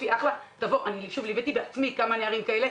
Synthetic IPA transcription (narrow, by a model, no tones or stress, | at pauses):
iaχlat̪avo̞ʔaniʃuvlibet̪ibeat͡smikamaneaʁimkaele̞